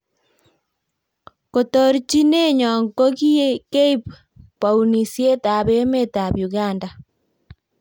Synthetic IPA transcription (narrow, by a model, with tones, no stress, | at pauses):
ko˨to˦ɾt͡ʃi˦ne˦ɲɔ˨ŋko˦ki˦e˦ke˦ip | pːa˨u˨ni˨sje˦ta˨be˦me˦ta˨bju˨ɣa˦˨nda˨